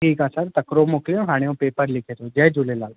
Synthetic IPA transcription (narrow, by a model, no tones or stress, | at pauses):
ʈʰiːkaːsəɾt̪ɐkɾomoːklijõɦaːɽ̃eũpeːpəɾlɪkʰeːt̪od͡ʒɛːd͡ʒulelaːl